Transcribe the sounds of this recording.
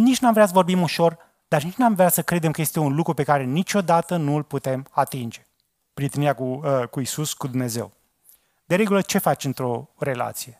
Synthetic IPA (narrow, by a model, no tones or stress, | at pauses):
nit͡ʃnamvɾeas̬vo̞rbimuʃo̞r | d̪̥arnit͡ʃnamvɾeasəkɾe̞d̪e̞mkəje̞st̪e̞unlukɾupe̞kaɾe̞nit͡ʃo̞d̪at̪ənuɨlput̪e̞mat̪ind͡ʒe̞ | pɾiet̪eniɾakukuisuskud̪umne̞ze̞̰w | d̪e̞ɾe̞ɡulət͡ʃe̞fat͡ʃɨnt̪ɾo̞re̞la̰t̪sije̞